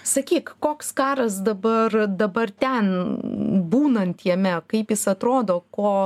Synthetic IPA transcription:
sɐkʲiːkkoːkskɑːɾɐsd̪ɐbɐrd̪ɐbɐrt̪ʲɛn | buːnɐnʲt̪ʲjɛmʲɛkɐɪpjɪsɐt̪ɾoːd̪oːkoː

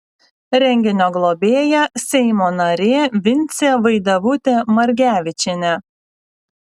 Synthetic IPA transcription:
ɾʲɛŋʲɡʲɪnʲoːɡlˠobʲeːjɛsʲɛɪmoːnɐɾʲeːʋʲɪnʲt̪sʲeːʋɐɪd̪ɐʋʊt̪ʲeːmɐɾʲɡʲæːʋʲɪt͡ʃʲɪnʲɛ

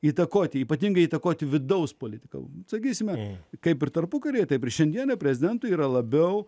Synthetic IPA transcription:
iːt̪ɐkoːt̪ʲɪiːpɐt̪ʲiŋɡɐɪiːt̪ɐkoːt̪ʲɪʋʲɪd̪ɐʊspoːlʲɪt̪ʲɪ̥kɐ̰sɐkʲiːsʲɪmʲɛkɐɪpɪrt̪ɐɾpʊkɐɾʲeːt̪ɐɪpɪɾʃʲɛnd̪ʲiɛnɐpʲɾʲɛzʲɪd̪ʲɛnt̪ʊiːɾɐlˠɐbʲɛʊ

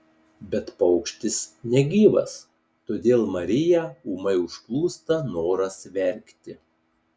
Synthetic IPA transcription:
bʲɛt̪pɐʊkʃʲt̪ʲɪsnʲɛɡʲiːʋɐ̰s | t̪oːd̪ʲeːlˠmɐɾʲɪjɛumɐɪʊʃplˠuːst̪ɐnoːɾɐsʋʲɛɾʲkʲt̪ʲɪ

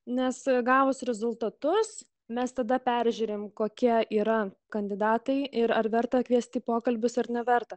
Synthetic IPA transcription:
nʲɛsɡɑːʋʊsɾʲɛzʊlˠt̪ɐt̪ʊs | mʲɛst̪ɐd̪ɐpʲæɾʲʒʲʉːɾʲeːmkoːkʲiɛiːɾɐ | kɐnʲd̪ʲɪd̪ɑːt̪ɐɪɪɾɐɾʋʲɛɾt̪ɐkʋʲiɛsʲt̪ʲiːpoːkɐlʲbʲʊsɐɾnʲɛʋʲɛɾt̪ɐ

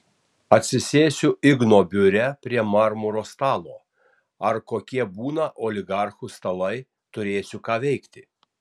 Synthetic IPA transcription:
ɐt̪ʲsʲɪsʲeːsʲʊɪɡnoːbʲʊɾʲɛpʲɾʲiɛmɑɾmʊɾoːst̪ɑːlˠoː | ɐɾkoːkʲiɛbuːnɐʔoːlʲɪɡɑˑɾxʊst̪ɐlˠɐɪ | t̪ʊɾʲeːsʲʊkɑːʋʲɛɪkt̪ʲɪ

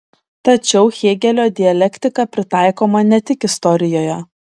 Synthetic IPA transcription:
t̪ɐt͡ʃʲɛʊxʲeːɡʲɛlʲoːd̪ʲɪɐlʲɛkʲt̪ʲɪkɐpʲɾʲɪt̪ɑˑɪkoːmɐnʲɛt̪ʲɪkɪst̪ɔɾʲɪjoːjɛ

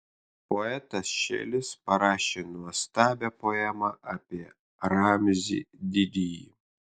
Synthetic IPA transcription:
poɛt̪ɐsʃʲḛːlʲɪspɐɾɑːʃʲeːnuɔst̪ɑːbʲɛpoɛmɐʔɑːpʲiɛ | ɾɑːmʲzʲḭd̪ʲɪd̪ʲiji

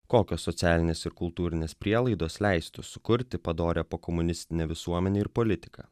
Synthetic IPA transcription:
koːkʲoːsːɔt̪sʲæːlʲɪnʲeːsɪɾkʊlˠt̪uːɾʲɪnʲeːspʲɾʲiɛlˠɐɪd̪oːslʲɛɪst̪ʊsʊ̥kʊɾʲt̪ʲɪpɐd̪oːɾʲeːpoːkɔmʊnʲɪsʲt̪ʲɪnʲɛːʋʲɪsuɔmʲɛnʲeːɪɾpɔlʲɪt̪ʲɪ̥kɐ̰ː

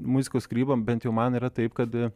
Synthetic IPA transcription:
mʊzʲɪkoːskɾʲiːbɐmbʲɛnt̪jɛʊmɐniːɾɐt̪ɐɪpkɐt̪

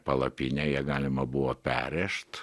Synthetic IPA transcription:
pɐlˠɐpʲinʲɛjiɛɡɑːlʲɪmɐbʊʋoːpʲæ̰ːɾʲɛʃt̪

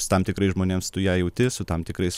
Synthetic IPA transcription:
ʊ̥t̪ɐmt̪ʲɪkɾɐɪsʒmoːnʲeːmst̪ʊjæːjɛʊt̪ʲɪsʊt̪ɐmt̪ʲɪkɾɐɪs

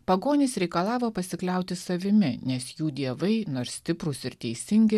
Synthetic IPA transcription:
pɐɡoːnʲiːsɾʲɛɪkɐlˠɑːʋoːpɐsʲɪklʲɛˑʊt̪ʲɪsɐʋʲɪmʲɪnʲɛsjuːd̪ʲiɛʋɐɪnoːɾssʲt̪ʲɪpɾʊsɪɾt̪ʲɛɪsʲɪŋʲɡʲɪ

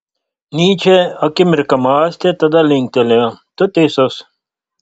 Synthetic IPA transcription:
niːt͡ɕʰeɐkimiɾkɐmaːsʲt̪et̪ɐd̪ɐliŋk̚t̪eleɐt̪ot̪esos

